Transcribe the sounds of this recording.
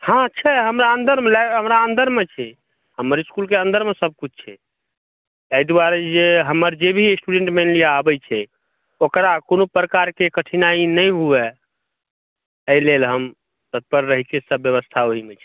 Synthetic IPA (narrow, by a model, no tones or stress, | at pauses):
hãətːʃʰɛɦəmɾaənd̪əɾmelaɦəmɾaənd̪əɾmet͡ʃʰɛ | həmːəɾiskulkeə̃nd̪əɾmesəb̚kut͡ʃʰt͡ʃʰɛ | əid̪uaɾed͡ʒeɦəmːəɾd͡ʒebʱisʈuɖeɳʈmelijaabɛt͡ʃʰɛ | okɾakonopɾəkaɾkekəʈʰinainəjɦuɛ | əilelɦəm | t̪ət̪̚pəɾːəɦikʰesəbjəβəst̪ʰaoɦimet͡ʃʰɛ̥